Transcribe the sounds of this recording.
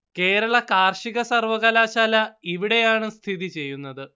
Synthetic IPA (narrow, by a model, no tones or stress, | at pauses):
ke̞ːɾɐɭɐkaːrʂiɣɐsɐrʋɐɣɐlaːɕaːlɐiʋiɽe̞jaːɳɨst̪ʰiðit͡ɕe̞jːunːɐðɨ